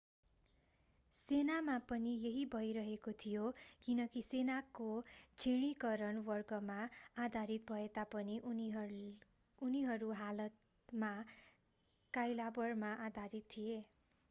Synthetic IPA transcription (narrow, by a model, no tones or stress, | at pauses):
senamapʌnijeɦibʱʌjɾʌɦekot̪ʰijokinʌkisenakot͡sʰiɽ̃ikʌɾʌnwʌrɡʌmaːd̪ʱaɾit̪̚bʱʌet̪apʌni | uniɦʌɾuɦalʌt̪ | ma | kajlabʌrmaʔad̪ʱaɾit̪ʰːije